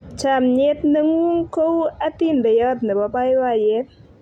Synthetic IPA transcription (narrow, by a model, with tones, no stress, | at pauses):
t͡ʃʰa˧˨mɲe˧˦t̪̚nə˧ŋu˦ŋko˦wa˦t̪i˦˨nd̪a˨ja˧t̪̚nə˨ba˧pa˧˦jwa˧˨je˧˦t̪̚